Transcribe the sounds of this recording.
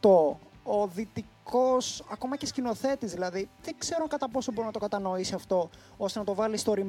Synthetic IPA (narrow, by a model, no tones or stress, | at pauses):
t̪ooðit̪iko̞sɐko̞mɐcescino̞θe̞t̪izðilɐðiðeŋɡse̞ɾoŋkɐt̪ɐpo̞sobo̞ɾinɐt̪o̞kɐt̪ɐno̞isiɐft̪o̞ | o̞st̪e̞nɐt̪ovɐlist̪o̞ɾim